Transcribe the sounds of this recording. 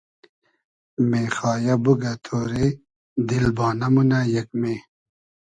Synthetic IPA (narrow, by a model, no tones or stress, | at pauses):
meːxɑːjabuɡɐt̪ʰoːɾe | d̪ilbɑːnɐmunajɐk̚meː